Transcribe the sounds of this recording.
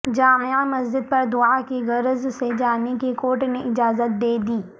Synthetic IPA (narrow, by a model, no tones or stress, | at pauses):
d͡ʒaːmamɐzd͡ʒɪd̪̚pɐɾd̪ʊakeɣɐɾzsed͡ʒaːnekekoːɾʈneɪd͡ʒaːzət̪̚d̪eːd̪iː